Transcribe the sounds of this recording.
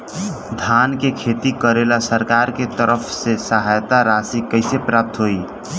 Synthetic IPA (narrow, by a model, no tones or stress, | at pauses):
d̪ʱankekʰet̪ikəɾelasəɾkaɾket̪əɾəpʰsesəɦajt̪aɾasikəɪsepɾap̚t̪ɦoi